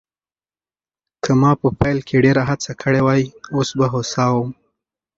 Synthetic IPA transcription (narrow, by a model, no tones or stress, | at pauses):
kʰəmɑpəpajlkʰeɖeɾaɦat͡sakʰəɽewɑjosbaɦosɑwəm